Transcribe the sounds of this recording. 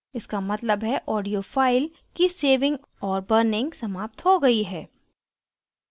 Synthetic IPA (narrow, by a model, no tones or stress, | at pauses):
ɪskamɐt̪ləbɦɛʔɔːɖijofaːɪl | kiseːʋɪ̃ŋɡ | ɔːɾbəɾnɪ̃ŋɡsɐmaːp̚t̪ɦoɡɐiɦɛː